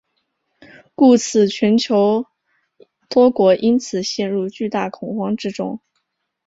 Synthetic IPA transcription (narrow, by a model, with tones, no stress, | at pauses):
ku˥˩t͡sʰɹ̩˨˩t͡ɕʰɥɛ˧˥nt͡ɕʰjo˧˥ʊ | t̪wɔ˥kwɔ˧˥ʔi˥nt͡sʰɹ̩˨˩ɕjɛ˥˧nɻu˥˧t͡ɕy˥˧t̪a˥˩kʰʊ˨˩ŋxwɑ˥ŋʈ͡ʂɻ̩˥ʈ͡ʂʊ˥ŋ